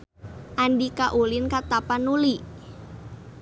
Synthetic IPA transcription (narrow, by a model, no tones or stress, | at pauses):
ʔandikaʔulɪnkat̪apanuli